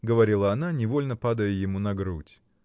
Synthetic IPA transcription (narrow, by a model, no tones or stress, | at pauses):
ɡəvɐɾʲilˠəɐnanʲɪvolʲnəpad̪əjəjɪmunɐɡɾutʲ